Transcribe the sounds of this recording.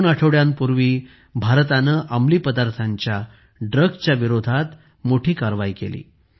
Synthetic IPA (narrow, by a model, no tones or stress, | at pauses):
naʈʰəʋɭjampuɾʋiː | bʱaɾt̪anəʔəmliːpəd̪aɾt̪ʰaɲt͡ɕja | ɖɾəɡt͡ɕjaʋiɾod̪ʱat̪ | moʈʰiːkaɾʋaikḛlḭː